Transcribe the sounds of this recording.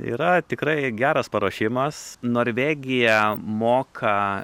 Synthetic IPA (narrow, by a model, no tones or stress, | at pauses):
ḭːɾɐt̪ʲɪkɾɐɪɡʲæːɾɐspɐɾoːʃʲɪmɐsnoːɾʲʋʲeːɡʲɪjɛmoːkʰɐ